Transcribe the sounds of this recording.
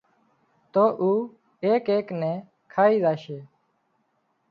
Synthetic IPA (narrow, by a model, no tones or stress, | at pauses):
t̪oːʔuː | eːkeːknɛ̃ː | kʰaːiːzaːʃeː